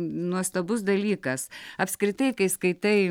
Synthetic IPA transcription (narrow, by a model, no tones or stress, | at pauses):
nuɔst̪ɐbʊsd̪ɐlʲiːkɐsɐpskɾʲɪt̪ɐɪkɐɪskɐɪt̪ɐɪ